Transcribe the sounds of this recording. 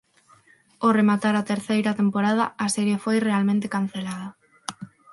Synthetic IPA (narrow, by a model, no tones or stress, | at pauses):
oremat̪aɾat̪eɾθejɾat̪empoɾað̞aaseɾje̞fojrealmẽnt̪ekan̟θe̞lað̞a